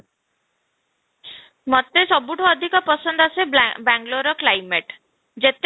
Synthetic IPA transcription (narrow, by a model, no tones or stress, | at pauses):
mɔt̪esɔbuʈʰuɔd̪ʱikɔpɔsɔnd̪ɔasebaŋɡloɾɔklajmeʈ | d͡ʒet̪